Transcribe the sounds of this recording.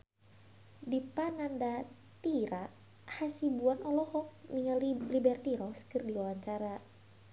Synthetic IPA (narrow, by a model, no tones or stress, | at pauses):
dipananda | t̪iɾa | hasibuanɔlɔhɔk̚niŋalibɛrt̪iɾɔskɨrdiwawaɲt͡ʃaɾa